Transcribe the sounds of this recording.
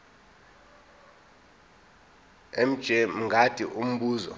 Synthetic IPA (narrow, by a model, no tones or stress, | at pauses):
em̩d̥ʒ̥ʱɛm̩ŋɡʱatʰʼiʔum̩ɓuːzɔ̰